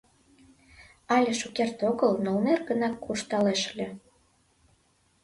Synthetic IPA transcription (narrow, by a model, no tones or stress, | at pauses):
ɑlʲeʃukert̪oɣəlnolnerɣənɑkːurʃt̪ɑleʃlʲĕ